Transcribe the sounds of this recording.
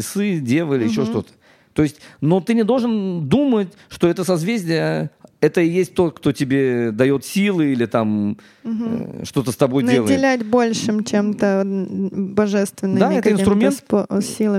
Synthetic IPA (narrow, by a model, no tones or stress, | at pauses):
ɪsɨdʲe̞lˠəilʲɪjɪɕːoʂt̪o̞t̪ə̥ | t̪o̞ɪsʲtʲno̞t̪ɨnʲɪd̪o̞lˠʐɨnd̪umətʲʂt̪o̞ɛt̪əsɐzvʲezʲdʲɪjəɛt̪əɪjesʲt̚ʲt̪o̞t̪kt̪o̞tʲɪbʲe̞d̪ɐjo̞t̪sʲilˠɨilʲɪt̪am | ʂt̪o̞t̪əst̪ɐbo̞jnd̪əelˠədʲɪlʲætʲbo̞lʲʂɨmt͡ɕemt̪ə | bɐʐɛst̪vʲɪnːɨmd̪aɛtk̪əɪnst̪ɾʊmʲenposʲilˠə